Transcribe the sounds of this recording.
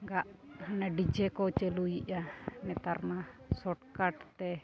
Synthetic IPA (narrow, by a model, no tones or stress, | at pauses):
ɡaʔhanaɖid͡ʒɛkɔt͡ʃɛlujiʔamɛt̪aɾnasɔʈkaʈt̪ɛ